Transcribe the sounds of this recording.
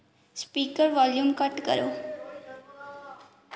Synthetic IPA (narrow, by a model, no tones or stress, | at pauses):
spiːkəɾʋaːljuːmkəʈkə̰ɾo̰ː